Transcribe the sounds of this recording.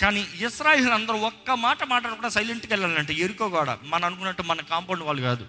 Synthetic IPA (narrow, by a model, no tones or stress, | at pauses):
kaːniisɾaːjeːlɐnd̪ɐɾuɔkːɐmaːʈɐmaːʈ̬ɐlkuːɽaːsɐjleɳʈukɛɭːaːlɐɳʈeːeɾukoːkaːɽa̰mɐnɐɐnuk̬unːɐʈːumɐnɐkaːmpɐːɖiʋaːɭːukaːd̪u